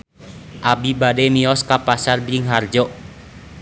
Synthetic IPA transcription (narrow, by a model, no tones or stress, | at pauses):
ʔabibadɛmiɔskapasarbiŋɦard͡ʒɔ